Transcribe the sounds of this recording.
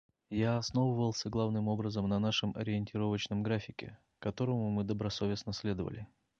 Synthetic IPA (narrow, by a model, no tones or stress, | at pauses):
jaɐsno̞vəvəlˠsʲəɡlˠavnɨmo̞bɾəzəmnɐnaʂɨmɐ̰ɾʲɪɪnʲtʲɪɾo̞vət͡ɕnəmɡɾafʲɪkʲɪ̰ | kɐt̪o̞ɾəmʊmɨd̪əbɾɐso̞vʲɪsnəsʲlʲe̞d̪əvə̰lʲɪ